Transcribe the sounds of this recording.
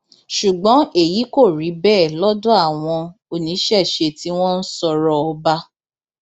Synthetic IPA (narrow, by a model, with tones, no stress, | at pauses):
ʃu˨ɡ͡bɔ̃˨˦e˦˨ji˨˦ko˦˨ɾi˨˦bɛː˦˨lɔ˦dɔ˦a˦˨w̃ɔ̃˧o˨nĩ˨˦ʃɛ˦˨ʃe˧ti˦w̃ɔ̃˦n̩˦sɔ˧ɾɔ˧ɔ˧ba˦